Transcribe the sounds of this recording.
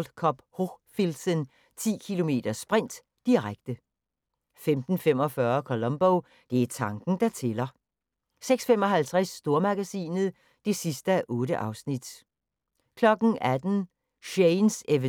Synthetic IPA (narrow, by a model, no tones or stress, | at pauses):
l̥kʰɒ̽b̥hofilsən | t͡sʰḭːkʰilo̝me̝̰ːd̥ɐsb̥ʁɛn̰d̥iʁaɡ̥̚d̥ə | femd̥n̩fem̰ɒ̽fɶɐkʰolɒ̽mb̥oʊ | d̥e̝æt͡sʰɑ̈ŋɡ̥n̩d̥ɑt͡sʰe̝lɐ | seɡ̥sfemɒ̽ɦælt͡sʰʁɛsːd̥o̝ɐmɑ̈ɡ̥æsḭːnð̩ˠ | d̥e̝sisd̥əæʔɔ̽ːɾəʔɑ̈ʊsnid̥ | kʰlɒ̽ɡ̥n̩æd̥n̩ | ɕeɪnseʋə